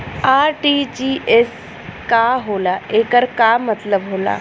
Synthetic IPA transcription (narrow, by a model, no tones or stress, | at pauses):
aːɾʈiːt͡ʃiːes | kaːɦoːlaːeːkəɾkaːmɐt̪ləbɦoːla̰ː